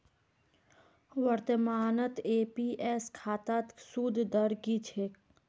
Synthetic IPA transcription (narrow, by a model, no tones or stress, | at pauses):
ʋəɾt̪əmaːnət̪eːpiʔɛːskʰaːt̪at̪sud̪ʱd̪əɾɡit͡ʃʰeːk